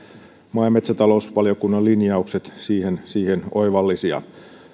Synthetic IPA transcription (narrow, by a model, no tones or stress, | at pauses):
mɑimet̪sæt̪ɑlo̞usʋɑljokunːɑlinjɑukset̪siːhensiːhenoijʋɑlːisiɑ̰